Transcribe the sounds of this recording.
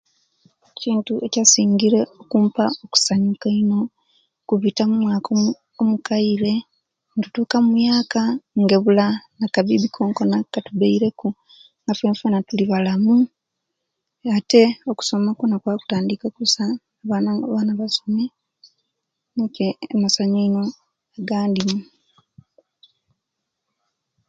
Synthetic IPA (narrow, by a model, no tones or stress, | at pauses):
ciːntuʔe̞casiːŋɡiɾe̞okuːmpao̞ku̥saɲukaino̞ | kuβitamumwaːkʰo | omukaiɾe̞ | ntutuːkamujaːkaŋɡe̞βulanakaβiβikʰo̞ːŋko̞nakːatuβeiɾe̞ku | ŋɡafeːɱfanatuliβalamu | ate̞oku̥so̞makonakwaku̥taːndikakusa | βanaβanaβaso̞me | neceːmasaɲoino̞ | aɡaːndimu